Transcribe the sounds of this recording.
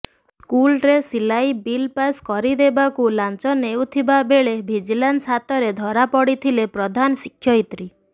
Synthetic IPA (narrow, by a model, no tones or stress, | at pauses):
skulɾesilajbilpaskɔɾid̪ebakulant͡ʃɔnewt̪ʰibabeɭebʱid͡ʒilansɦat̪ɔɾed̪ʱɔɾapɔɽit̪ʰilepɾɔd̪ʱanɔsikʰːjɔit̪ɾi